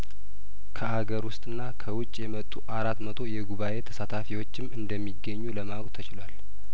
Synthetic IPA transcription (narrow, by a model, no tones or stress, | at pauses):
kʰəʔaɡəɾwʊst̪ʼɨnːakʰəwʊt͡ʃʼːjɛmət̪ʼːuʔaɾat̪mət̪ʰo̞jɛɡuβaʔe̞t̪ʰə̥sat̪ʰafiwo̞t͡ʃːɪmɨnd̪əmːiɡːəɲːuləmawkʼt̪ʰət͡ʃɪlwal